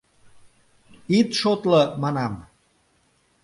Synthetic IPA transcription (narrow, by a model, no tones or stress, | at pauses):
it̪ʃot̪lɤmɑnɑm